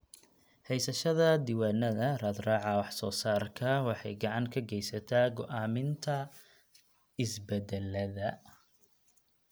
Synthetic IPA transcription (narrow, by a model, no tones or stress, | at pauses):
hɛjsɐʃɐðɐd̪ɪwaːnɐðɐrɐːd̪rɑːʕɑwɑħsɔːsaːrkʰɐwɑħɑ̰jɡɐʕɑŋkʰɐɡɛjsɐt̪ʰaːɡɔʔaːmɪnt̪ʰɐ | ɪsbɛd̪ɛlɐðɐ